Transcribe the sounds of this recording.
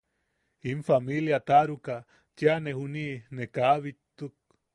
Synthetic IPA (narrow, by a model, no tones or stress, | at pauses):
imfamiljat̪aɾuka | t͡ʃjanehuninekaβit̪ːuk̚